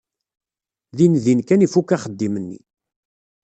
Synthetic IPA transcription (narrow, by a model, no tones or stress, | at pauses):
ðinðinkænifukaχəd̪ːimənːḭ